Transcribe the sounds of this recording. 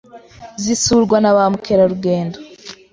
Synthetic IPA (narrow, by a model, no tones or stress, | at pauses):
zisuɾɡwanaβamukʰeɾaɾuɡe̞ːndo